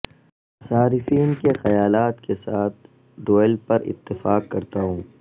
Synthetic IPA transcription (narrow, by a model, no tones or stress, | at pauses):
saːɾɪfiːnkexɐjaːlaːt̪kesaːt̪̚ʰ | ɖoːɪlpɐɾɪ̰t̪ːɪfaːkːɐɾt̪aɦũː